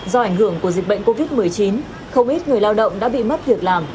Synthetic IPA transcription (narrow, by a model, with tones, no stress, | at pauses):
zɔ˧ʔa˧˩ŋ̟ɦɨ˧˩əŋku˧˩əzi˨˩k̟̚ɓə̰˧˨ŋko˧vi˦˥t̚mɨ˨˩əjt͡ɕi˨˦n | xə˧wŋ͡mʔi˦˥t̚ŋɨ˨˩əjlaː˧wɗə̰˧˨wŋ͡mɗa̰ː˧˥ɓḭ˧˨ma˦˥t̚lɨ˨˩ək̚laː˨˩m